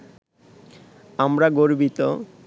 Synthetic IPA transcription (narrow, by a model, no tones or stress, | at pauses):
amɾaɡoɾbit̪o